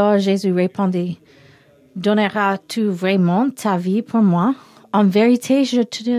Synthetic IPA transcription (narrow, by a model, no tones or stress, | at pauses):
ɔʒezyʁepʰɔ̃d̪i | d̪ɔnəʁat̪ʰuvʁɛmɑ̃t̪ʰavipʰuʁmwa | ɑ̃vɛʁit̪ʰeʒət̪ʰ